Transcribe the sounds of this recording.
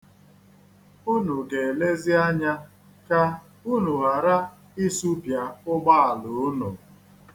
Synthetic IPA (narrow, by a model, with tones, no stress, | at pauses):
u˦nu˨ɡe˨le˦zɪ˦a˦ɲa˦ | ka˦ | u˦nu˨ɦa˨ɾa˦ | ɪ˦su˦pja˨ʊ˦ɡ͡ba˦˨a˨lʊ˨˦nu˨